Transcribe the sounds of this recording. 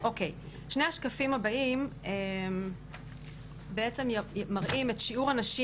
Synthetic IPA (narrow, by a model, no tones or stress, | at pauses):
ʔo̞kej | ʃne̞jaʃkafimhabaimem | beet͡se̞mjmaʁʔime̞tʃiuʁanaʃi